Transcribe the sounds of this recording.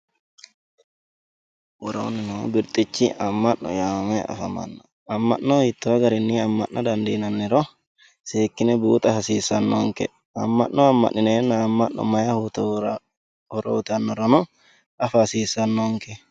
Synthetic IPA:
wuɾo̰nɛnɔbiɾt̪ʼit͡ʃːiʔamːanːɔ̰jamɛa̰fama̰nːɔ | amːa̰ʔnːɔit̪ːɔaɡaɾinːiamːa̰ʔʔad̪and̪inanːɛɾɔ | seːkːinɛbuːt̪ʼafasiːsanːɔŋkɛ̰ | a̰mːanːɔamːa̰ʔːinɛnaːmːaʔʔɔ̰majahut̪ | huɾot̪anːɔɾɔnɔ | afasiːsanːɔŋkɛ

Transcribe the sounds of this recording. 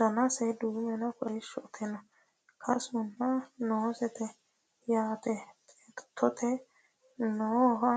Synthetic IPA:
d̪̥ɐnɐsɛd̪uːmɛnɐkʰɔʃɔʔt̪ʰɛnɔ | kʰɐsʊnːɐnɔːsɛt̪ɛ | jaːt̪ɛt̪ʼɛt̪ʰːɔt̪ʰɛ | nɔɦɐ

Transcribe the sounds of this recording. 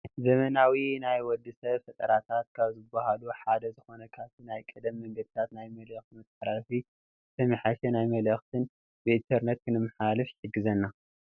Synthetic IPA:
zɐmɐnawinajwɔd̪ːɨsɐβfɐt̪ʼɐɾat̪ʰat̪kʰaβzɨbːahaluħad̪ɐzɨxo̞nɐkʰaβt̪ʰinajkʼɐd̪ɐmːɐŋɡɐd̪ɨt̪ʰat̪najmɐlɐxt̪mɨt̪ːħɾafi | t̪ʰɐmɨħaʃɛnajmɐlɐxt̪ʰɨn | bɨint̪ʰɐɾnet̪kʰɨnɨmːɨħalɨfħɨɡɨzɐnːa

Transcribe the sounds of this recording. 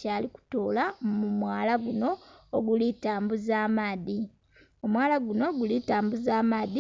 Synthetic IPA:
caːliku̥toːlamumwaːlaɡuno̞ːɡulitaːmbuzaːmaːði | o̞mwaːlaɡuno̞ɡulitaːmbuzaːmaːði

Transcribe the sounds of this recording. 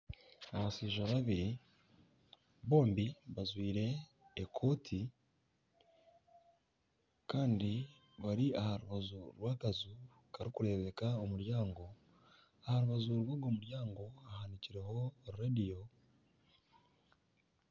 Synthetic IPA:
aβasiːʒaβaβiɾi | βo̞ːmbiβazwiːɾe̞ː | kʰo̞ːtʰi | kaːndi | βaɾiahaɾuβazuɾwaːkazu | kaɾikuɾe̞βe̞kaomuɾjaːŋɡo̞ | ahaɾuβazuɾwaɡo̞ːmuɾjaːŋɡo̞ahaniciɾe̞ho̞ɾuɾadijo̞

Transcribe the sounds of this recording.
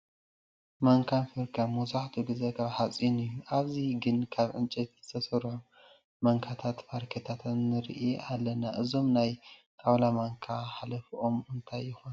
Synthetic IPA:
maŋkʰanfɨɾkʰamuzaħt̪ʰuɡɨzekʰaβħat͡sʼinɨjːuʔaβziɡɨnkʰaβʕɨnt͡ʃʼit̪zɨt̪ʰɐsɐɾħu | mɐŋkʰat̪ʰat̪faɾkʰet̪ʰat̪ʰnːɨɾʔiʔalːɐnaʔɨzo̞mnajt̪ʰʼaβlamaŋkʰaħalɐfiʔo̞mɨnt̪ʰajːɪxuon

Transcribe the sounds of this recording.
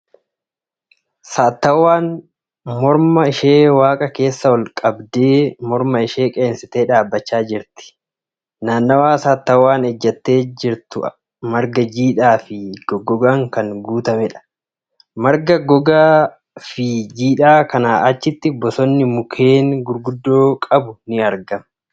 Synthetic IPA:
saːt̪ːɐwːaːn | mɔɾmɐɪʃe̞ːwaːkʼɐke̞ːsːɐwɔlkʼɐbd̪e̞ːmɔɾmɐɪʃe̞ːkʼe̞ːnsɪt̪eːᶑaːbːɐt͡ʃːaːd͡ʒɪɾt̪ɪ̥ | naːnːɐwaːsaːt̪ːɐwːaːnɛd͡ʒːɐt̪ːe̞ːd͡ʒɪɾt̪ʊ | mɐɾɡɐd͡ʒiːᶑaːfɪɡɔɡɔɡaːŋkɐŋɡuːt̪ɐmɛᶑɐ̥ | mɐɾɡɐɡɔɡaː | fɪd͡ʒiːᶑaːkɐnaːʔɐt͡ʃːɪt̪ːɪbɔsɔnːɪmʊkʰe̞ːnɡʊɾɡʊd̪ːoːkʼɐbʊnɪɐɾɡɐmɐ̥

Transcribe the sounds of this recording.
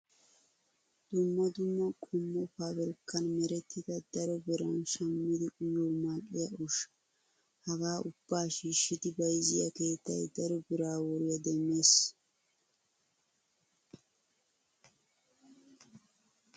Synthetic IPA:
d̪̥ʊmːɐd̪ʊmːɐkʼʊmːɔfabɛɾkːɐnmɛɾɛt̪ːɪd̪ɐd̪ɐɾɔbɪɾɐnʃɐmːɪd̪ɪʔʼʊjoːmaːkʼːɪjɐʊʃɐ̥ | hɐɡaːʔʊb̥ːaːʃiːʃːɪd̪ɪbɐjzɪjɐ̰ke̞ːt̪ːɐ̰jd̪ɐɾɔbɪɾaːwɔɾɪjɐd̪ɛmːeːs

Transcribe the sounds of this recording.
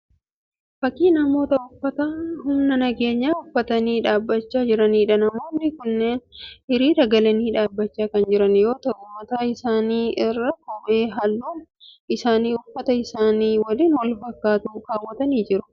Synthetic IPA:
fɐkːiːnɐmo̞ːt̪ɐʊfːɐt̪aːɦʊmnɐnɐɡe̞ːɲːaːʊfːɐt̪ɐniːᶑaːbːɐt͡ʃːaːd͡ʒɪɾɐniːᶑɐnɐmo̞ːnːɪkʊnːe̞ːnɪɾiːɾɐɡɐlɐniːᶑaːbːɐt͡ʃːaːkɐnd͡ʒɪɾɐnjo̞ːt̪ɐʔʊmɐt̪aːɪsaːniːʔɪrːɐkuʔe̞ːɦɐlːuːn | ʔɪsaːniːʊfːɐt̪ɐɪsaːniːwɐliːnwɐlfɐkːaːt̪uːkaːwːɐt̪ɐniːd͡ʒɪɾʊ̥

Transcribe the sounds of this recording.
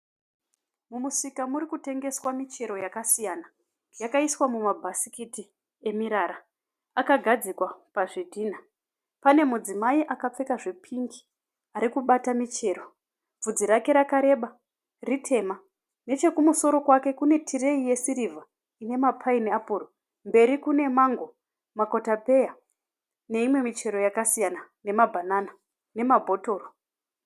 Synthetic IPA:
mumusikamuɾikute̞ŋɡe̞swamit͡ʃe̞ɾo̞jakasijana | jakaiswamumabʱasikiti | e̞miɾaɾa | akaɡʱad͡zikwapaʐidʱiːna | pane̞mud͡zimaiʔakap͡fe̞kaʐe̞pʰiŋɡi | aɾikuɓatamit͡ʃe̞ːɾo̞ | vb͡vud͡ziɾake̞ɾakaɾe̞ɓa | ritʰe̞ma | ne̞t͡ʃe̞kumuso̞ɾo̞kwake̞kune̞tʰire̞ije̞siɾivʱa | ine̞mapʰaineapuro | mbe̞ɾikune̞maŋɡo̞ | mako̞tape̞ja | ne̞imwe̞mit͡ʃe̞ɾo̞jakasijana | ne̞mabʱanana | ne̞mabʱo̞to̞ːro

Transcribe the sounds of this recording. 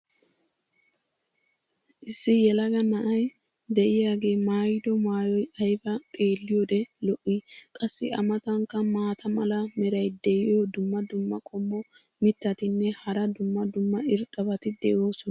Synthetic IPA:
ʔɪsːɪjɛlɐɡɐnɐʔɐj | d̪ɛʔɪjaːɡe̞ːmaːjd̪ɔmaːjɔjɐjbɐt̪ʼeːlːɪjɔd̪ɛlɔʔːɪkʼɐsːɪɐmɐt̪ɐŋkːɐmaːt̪ʰɐmɐlɐmɛɾɐjd̪ɛʔɪjod̪ʊmːɐd̪ʊmːɐkʼɔmːɔ | mɪt̪ːɐt̪ɪnːɛhɐɾɐd̪ʊmːɐd̪ʊmːɐɪɾt̪ʼːɐbɐt̪ɪd̪ɛjo̞ːsɔnɐ

